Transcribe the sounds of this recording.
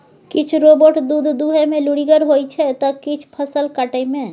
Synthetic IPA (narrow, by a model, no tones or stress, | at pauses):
kɪt͡ʃʰɾoboʈd̪ud̪ʱd̪uɦemẽluɽiɡəɾɦojt͡ʃʰɛt̪ɔkit͡ʃʰpʰəsəlkəʈəmẽ